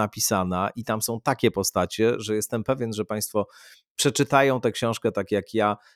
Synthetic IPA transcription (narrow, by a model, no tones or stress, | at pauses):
apʲisanaʔit̪amsɔ̃w̃t̪akʲɛpɔst̪at͡ɕɛʐɛjɛst̪ɛmpɛvʲjɛnʐɛpaj̃st̪fɔ | pʂɛt͡ʂɘt̪ajɔ̃w̃t̪ɛkɕɔ̃w̃ʂkɛt̪akʲjakja